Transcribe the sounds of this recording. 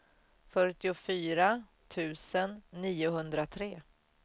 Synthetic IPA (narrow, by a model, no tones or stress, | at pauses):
fœʈɪʊfyːɾa | t̪ʰʉ̟ːsənːiːʊɦɵnd̪ɾat̪ʰɾeː